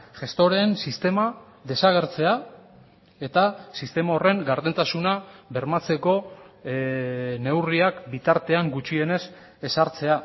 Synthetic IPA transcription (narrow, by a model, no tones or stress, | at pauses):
ʝe̞st̪o̞ɾe̞nsist̪e̞ma | ðe̞saɣ̞eɾt͡se̞a | e̞t̪asist̪e̞mao̞re̞ŋɡaɾðent̪asunaβe̞ɾmat͡se̞ko̞ | ne̞wriakbit̪aɾt̪e̞aŋɡut͡ʃie̞ne̞s | e̞saɾt͡se̞a